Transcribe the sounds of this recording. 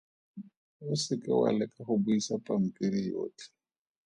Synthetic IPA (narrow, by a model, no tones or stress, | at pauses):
wʊsɪkʼɪwa̰lɛkʼahʊbujisapʼam̩pʼiɾijo̰ːt͡ɬʰɛ̥